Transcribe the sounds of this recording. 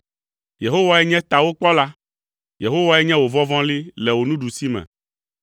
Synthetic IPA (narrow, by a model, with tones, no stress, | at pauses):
je˨ɦo˦wa˦ɛ˦ɲɛ̃˦t̪a˨wo˦k͡pɔ˦la˦ | je˨ɦo˦wa˦ɛ˦ɲɛ̃˦wo˨vɔ̃˦vɔ̃˦li˦lɛ˨wo˨nũ˦ɖu˨si˦mɛ̰̃˨